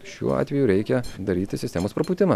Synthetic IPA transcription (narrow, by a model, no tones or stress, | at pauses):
ʃʲṵːɑ̰ːt̪ʲʋʲɛjuɾʲɛɪkʲɛd̪ɐɾʲiːt̪ʲɪsʲɪsʲt̪ʲɛːmoːspɾɐpuːt̪ʲɪnɐ